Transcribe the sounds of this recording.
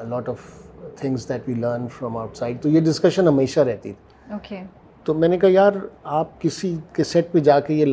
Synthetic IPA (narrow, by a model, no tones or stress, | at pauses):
əlɔːʈɔʋt̪ʰɪ̃ŋzd̪ɛʈʋiːləːɾnfɾɔ̃maʊʈsaɪɖ̚t̪ojeɖɪskɐʃə̃nɦɐmeːʃaɾɛɦt̪ḭt̪ʰiːoːke | t̪oːmɛ̃ːnekaɦajaːɾaːp̚kɪsikesɛʈ̚pẽd͡ʒaːkejel